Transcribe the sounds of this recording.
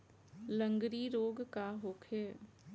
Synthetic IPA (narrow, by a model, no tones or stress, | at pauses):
lə̃ŋɡɾiɾoːɡkaɦoːkʰeː